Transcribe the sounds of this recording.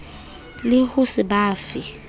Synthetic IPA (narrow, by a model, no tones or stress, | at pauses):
lɪhʊsiɓaːfi